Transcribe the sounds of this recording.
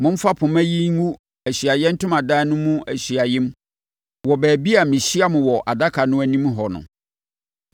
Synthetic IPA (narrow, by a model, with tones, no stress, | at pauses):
mʊ̃˦m̩˦fa˦pʰʊ̃˨mæ̃˦ji˦ŋũ˦ | æ˨ɕi˨a˨jɛ̃˦n̩˦tʊ̃˦mã˨daː˦nʊ̃˦mũ˦æ˨ɕi˨a˨jɪ̃˦m | wɔ˨bæː˨bi˦a˨mɪ̃˨ɕi˦a˦mʊ̃˨wɔ˨ʔa˨da˦kʰa˨nʊ̃˦æ˨nĩ˦m˦ɦɔ˨nʊ̰̃˨